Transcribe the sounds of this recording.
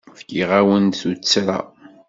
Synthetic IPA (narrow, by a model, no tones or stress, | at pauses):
fɡiʁawənθut͡sːɾa̰